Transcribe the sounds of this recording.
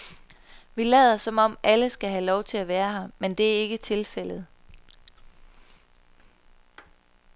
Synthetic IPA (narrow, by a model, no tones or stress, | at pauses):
ʋilɛːðˠɐsɒ̽mɒ̽m̰ʔæləsɡ̥æɦælɒʊt͡sʰe̝læʋæːɐɦɑ̈mend̥e̝æɐe̝ɡ̥ət͡sʰe̝lfel̰ð̞̩ˠ